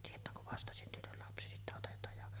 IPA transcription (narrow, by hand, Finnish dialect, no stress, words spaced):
tietˑæː kuʋ ʋɑstɑsyntynyl lɑpsi sitːæ otetˑɑːj jɑ